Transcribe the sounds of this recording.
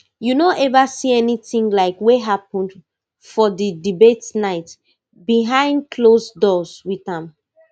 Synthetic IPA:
junɔʔɛvasiɛniθĩŋlaɪkweɦapɔ̃nd | fɔdidibetnaɪt | biɦãɪ̃ndkʰlosdɔzwiðãm

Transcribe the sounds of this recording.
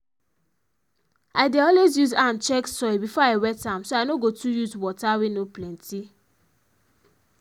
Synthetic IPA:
aɪdeɔlwezjuzãnt͡ʃɛksɔjbifɔaɪwɛtãmsoaɪnoɡotʰujuzwɔtawenoplɛ̃ntʰi

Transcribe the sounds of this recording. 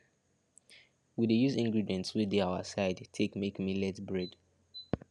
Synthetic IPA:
widejuzĩŋɡɹidiɛ̃ntswideaʊə̰saɪdtʰekmekmilɛtbɹɛd

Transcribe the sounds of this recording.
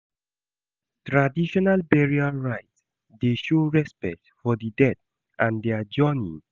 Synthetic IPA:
tɹadiʃɔnalbɛɹiaɹajts | d̪eʃoɹɛspɛ̰k̚tfɔdidɛt | ʔãndɛd͡ʒɜni

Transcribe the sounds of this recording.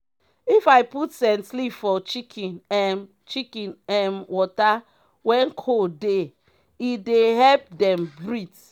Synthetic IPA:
ifajputsɛ̃nslipfɔt͡ʃikʰĩnɛ | t͡ʃikĩnɛnwɔta | wɛ̃nkʰode | ideɦɛlp̚dɛ̃mbɹit

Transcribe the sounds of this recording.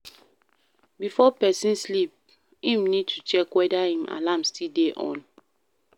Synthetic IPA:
bifɔpɛsĩnslip̚ | hĩmnid̚tʰut͡ʃɛkwɛdahĩmʔa̰lamstideʔɔ̰̃n

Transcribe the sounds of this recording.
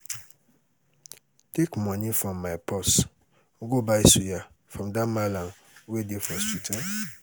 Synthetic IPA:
tekmɔ̃nifɾɔ̃mːaɪpʰɔs | oɡobaisuja | fɹɔ̃mdãmalãn | owedefɔstutʰãn

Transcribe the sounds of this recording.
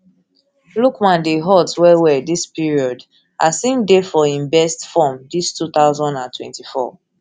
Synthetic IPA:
lukmãndiɦɔtswɛwɛdispiɹiɔd | asĩmdefɔĩnbɛstfɔmdistut̪aʊzɔ̃ndãntʰwɛ̰̃ntifɔ̰

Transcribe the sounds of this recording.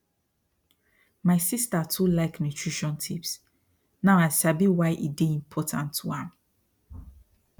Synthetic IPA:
maɪsistatʰulaɪknutʰɹiʃɔ̃ntʰips | nãʊaɪsabiwaɪʔideĩmpʰɔtʰãntʰːuãm

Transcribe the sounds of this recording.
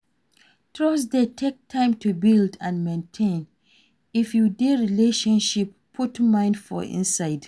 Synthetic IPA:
tɹos̬detʰek̚tʰãɪ̃mtʰubildãnmẽntʰẽn | ifjudeɹileʃɔ̃nʃipʰːutmãɪ̃ndfɔ̰ḭ̃nsaɪd̥

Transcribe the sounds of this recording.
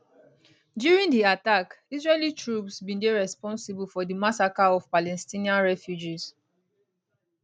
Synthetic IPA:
djuɹĩndiatakisɹelitɹupsbĩndeɹɛspɔ̃nsibulfɔdimasakaɔv̥palɛstĩniãnɹɛfjud͡ʒiz

